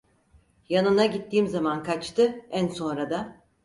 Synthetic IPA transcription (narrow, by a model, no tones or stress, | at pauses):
janɯnaɟit̪ːiːmzamankʰat͡ʃt̪ʰɯænso̞nɾad̪a